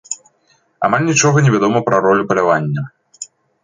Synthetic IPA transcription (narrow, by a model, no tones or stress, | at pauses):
a̰malʲnʲit͡ʂɔɣɐnʲɛvʲad̪ɔmɐpɾɐɾɔlʲupɐlʲavanʲːɐ